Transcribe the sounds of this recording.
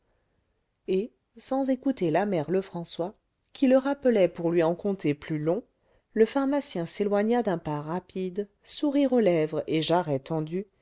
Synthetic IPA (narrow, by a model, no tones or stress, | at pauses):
e | sɑ̃zekut̪elamɛʁləfχɑ̃swa | kʲʰiləʁapəlɛpuʁlɥiɑ̃kɔ̃t̪eplylɔ̃ | ləfaʁmasjɛ̃selwaɲad̪ɛ̃paʁapʰid̪ | suʁiʁolɛvʁeʒaʁɛt̪ɑ̃d̪y